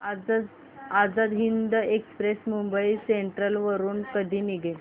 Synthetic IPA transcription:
a | ad͡zad̪ɦind̪əekspɾesmumbəiseɳʈɾəlʋəɾuːnkəd̪ʱiːniɡʱe

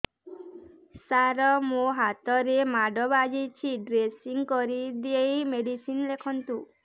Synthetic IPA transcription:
saɾɔmoɦat̪ɔɾemaɖɔbad͡ʒit͡ʃʰiɖɾesiŋkɔɾid̪iejmeɖisinlekʰɔnt̪u

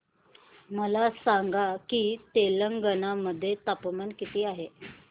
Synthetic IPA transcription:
məlasaŋɡakiːt̪eləŋɡənaməd̪ʱːjet̪apmankit̪iːaɦe

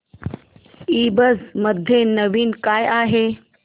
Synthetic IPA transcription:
iːbɐzmɐd̪ʱjenɐʋiːnkaːjaːɦeː

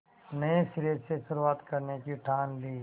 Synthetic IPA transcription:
nɐesɪɾeːseʃʊɾuaːt̪kɐɾnekiʈʰaːnliː

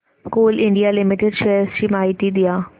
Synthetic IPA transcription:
koːlɪɳɖijaːlɪmɪʈeɖʃeːɾst͡ʃimaːiʈid̪ɪjaː

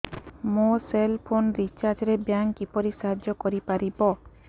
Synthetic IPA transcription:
moselpʰonɾit͡ʃaɾd͡ʒɾebjaŋkipɔɾisaɦad͡ʒɔkɔɾipaɾibɔ

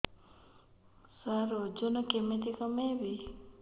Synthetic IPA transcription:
saɾod͡ʒonɔkemet̪ikɔmebi

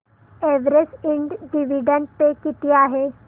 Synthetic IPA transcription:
eʋɾesɪ̃ɳɖɖiʋiɖə̃ɳɖpekɪt̪ijaɦɛː

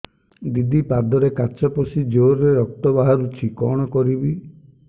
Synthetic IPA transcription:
d̪id̪ipad̪ɔɾekat͡ʃɔpɔsid͡ʒoɾɾeɾɔk̚t̪ɔbaɦaɾut͡ʃʰikɔɽ̃ɔkɔɾibi

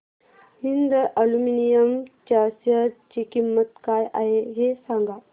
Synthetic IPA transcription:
hind̪ʔəluminijəmt͡ɕasjət͡ɕikimːət̪kajʔaɦeɦesãŋɡa

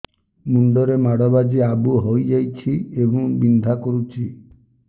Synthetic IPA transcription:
muɳɖɔɾemaɽɔbad͡ʒiabuɦojd͡ʒajt͡ʃʰiebɔ̃ŋbind̪ʱakɔɾut͡ʃʰi

